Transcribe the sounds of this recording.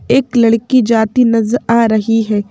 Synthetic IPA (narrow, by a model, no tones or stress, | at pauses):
ɪkləɽkiːd͡ʒaːt̪iːnəzɾaːɾəɦiɦɛː